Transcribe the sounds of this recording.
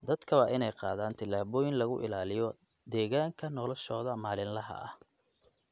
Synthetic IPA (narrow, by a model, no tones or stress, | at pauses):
d̪ɐd̪̥kʰɐβɑːʔɪnɛjqɑ̰ːðaːnt̪ʰɪlaːβɔːjɪnlɐɣʊʔɪ̰laːlɪjɔ | d̪ɛːɣaːŋkʰɐnɔlɔʃɔːðɐmaːlɪnlɐɦɐ̰ʔɐh